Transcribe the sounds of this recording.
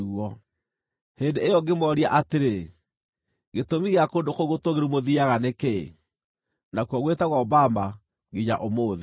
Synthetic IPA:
ɔ | heːndeːjɔɡemɔɾiaʔateɾe | ɡetomiɣeakoːndokoɣotoɣeɾumoðiaɣanekḛ | nakuɔɣwetaɣwaɔbama | ɣeɲa̰ʔomoːði

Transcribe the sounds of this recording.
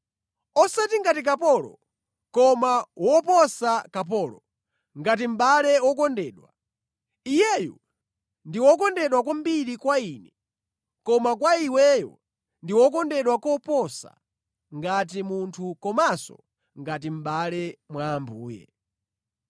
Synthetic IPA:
ɔsatiŋɡatik̬apɔlɔ̰ | kɔmawɔpɔsakap̬ɔːlɔ | ŋɡat̬im̩ɓalɛwɔkɔndɛːɗwa | ijɛjɔ | ndiwɔkɔndɛɗwakwambiɾikwaiːnɛ | kɔmakwaiwɛjɔ̰ | ndiwɔkɔndɛɗwakɔpɔsa̰ | ŋɡat̬imuntʰukɔmasɔ̰ | ŋɡat̬im̩ɓalɛmwaːmbuːjɛ̰

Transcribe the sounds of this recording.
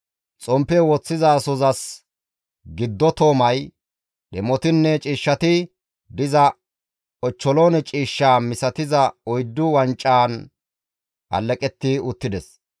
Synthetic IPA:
t͡sʼɔmpːɛwɔt͡sːɪzɐːsɔzɐs | ɡɪd̪ːɔt̪o̞ːmɐj | ɗɛmɔt̪ɪnːɛt͡ʃʼiːʃːɐt̪ɪ | d̪ɪzɐ | ɔt͡ʃːɔloːnɛt͡ʃʼiːʃːaːmɪsɐt̪ɪzɐɔjd̪ːʊwɐnt͡ʃʼːaːn | ʔɐ̰lːɛkʼɛt̪ːɪʊt̪ːɪd̪ɛs

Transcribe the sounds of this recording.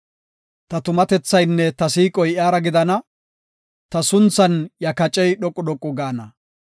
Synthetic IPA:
t̪ɐt̪ʊmɐt̪ɛt͡sːɐjnːɛt̪ɐsiːkʼɔjɪaːɾɐɡɪd̪ɐnɐ | t̪ɐsʊnt͡sːɐnjɐkɐt͡ʃʼɛjɗɔkʼːʊd̪ɔkʼːɔɡaːnɐ

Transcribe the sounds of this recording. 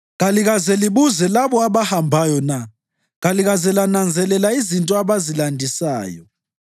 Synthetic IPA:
ɣaliɣazɛliβuzɛlaβɔaβahambʱajɔna | ɣaliɣazɛlanand͡zʱɛlɛlaizintʼɔaβazilandʱisa̰ːjɔ̰

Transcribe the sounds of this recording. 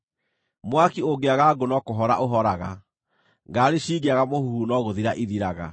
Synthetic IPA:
mwakioɡeaɣaɡonɔkoɦɔɾa̰ʔoɦɔɾaɣa | ŋɡaːɾeʃiːɡeaɣamohuhunɔɣoðiɾaʔiðiɾaɣa̰

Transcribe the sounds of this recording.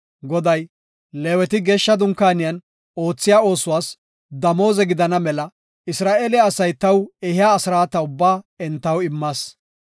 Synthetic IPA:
ɡɔd̪ɐj | leːwɛt̪ɪɡeːʃːɐd̪ʊŋkːaːnɪjɐn | o̞ːt͡sːɪjaːo̞ːsʊwaːs | d̪ɐmo̞ːzɛɡɪd̪ɐnɐmɛlɐ | ɪsɾaːʔeːlɪːsɐjt̪ɐwɛhɪjaːsɪɾaːt̪ɐʊbːaːɛnt̪ːɐwɪmːaːs

